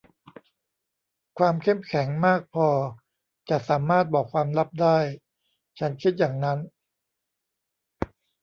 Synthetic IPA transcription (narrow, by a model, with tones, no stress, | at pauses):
kʰwaː˧mkʰe˥˩mkʰɛ˩˦ŋmaː˥˩k̚pʰɔː˧ | t͡ɕa˨˩saː˩˦maː˥˩t̪̚bɔː˨˩kʰwaː˧mla˦˥p̚daː˥˩j | t͡ɕʰa˦˥nkʰi˦t̪̚jaː˨˩ŋna˦˥n